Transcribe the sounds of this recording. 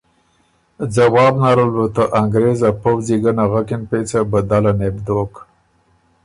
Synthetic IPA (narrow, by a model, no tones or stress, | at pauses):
d͡zawɑːbnaɾəlwut̪əʔaŋɡɾezapəwziɡənaɣakɪnpet͡sabəd̪alanebd̪ok